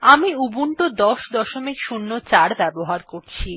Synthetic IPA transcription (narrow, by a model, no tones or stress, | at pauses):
amiubuɳʈod̪ɔʃd̪ɔʃomikʃunːot͡ɕaɾbɛboɦaɾkoɾt͡ɕʰi